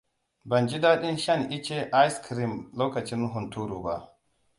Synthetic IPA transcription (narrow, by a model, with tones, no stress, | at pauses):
ba˨nd͡ʒi˦da˦ɗi˦nʃa˦nʔi˦t͡ʃɛ˦ʔa˦jskʰɾi˨mloː˦ka˨t͡ʃi˦nɦu˨ntuː˦ɾu˨ba̰˨